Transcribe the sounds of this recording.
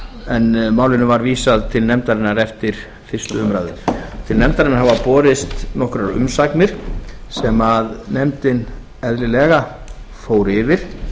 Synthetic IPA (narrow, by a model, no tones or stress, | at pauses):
ɛnmaːwlɪnʏvaɾviːsaðt̪ʰɪlnɛmt̪aɾɪnːaɾɛft̪ɪɾ̥ | fɪr̥st̪ʏʏmɾajðɪ̰ɾt̪ʰɪlnɛmt̪aɾɪnaɾɦavapɔːɾɪst̪nɔhkɾaɾʏ̰msaknɪɾ̥sɛmaðnɛmt̪ɪn | ɛðlɪlɛɣa | foːwɾɪvɪɾ̥